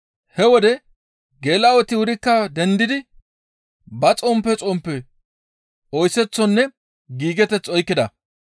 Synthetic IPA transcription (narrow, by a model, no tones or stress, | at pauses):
hɛwɔd̪ɛ | ɡeːlaːwɔt̪ɪwʊɾɪkːɐd̪ɛnd̪ɪd̪ɪ | bɐt͡sʼɔmpːɛt͡sʼɔmpːɛ | ɔjsɛt͡sːɔnːɛ | ɡiːɡɛt̪ɛt͡sːɔjkːɪd̪ɐ